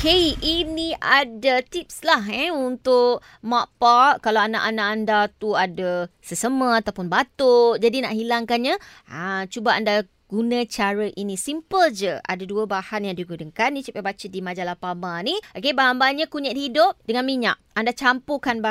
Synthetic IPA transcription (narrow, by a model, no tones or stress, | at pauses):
keiʔiniʔadət̪ip̚slaɦɛunt̪ʊʔ | maʔ̚paʔkalawana̰ʔanaʔandat̪uadasəsəməat̪awpʊnbat̪oʔd͡ʒadinaʔɦilaŋkanɲa | at͡ʃubaanda | ɡ̥unə̃t͡ʃaɾəʔinisimpəld͡ʒəa̰daduəbahanjaŋdiɡudəŋkanĩt͡ʃipabat͡ʃədimad͡ʒalapamaniʔokebaɦambaɲãkuɲət̪̚hidʊp̚dəŋanmiɲa̰ʔandat͡ʃampukanba